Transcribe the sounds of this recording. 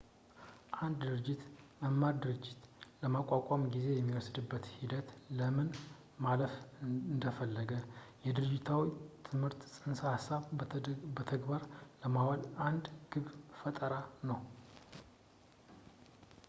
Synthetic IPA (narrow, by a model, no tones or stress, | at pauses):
ʔand̪d̪ɨɾɨd͡ʒːɪt̪məmːaɾd̪ɨɾɨd͡ʒːɪt̪ləmakʷʼːakʷʼamɡize̞jɛmːiwɔsd̪ɨbːət̪hid̪ət̪ləmɨn | maləfɨnd̪əfəlːəɡəjɛd̪ɨɾɨd͡ʒːɪt̪ʰawit̪ʰɨmhɨɾt̪sʼɨnsahasːaβbət̪ʰəɡbaɾləmawalʔand̪ɡ̥ɨβfət̪ʼəɾanəw